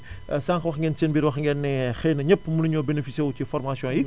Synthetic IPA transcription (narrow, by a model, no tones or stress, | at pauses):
saːŋxɐwɐxŋɡɛnsenbiːɾwɐxŋɡɛnːɛxɛjnɐɲəpːmunuɲɔbenefisɛwucifɔrmasjɔ̃ji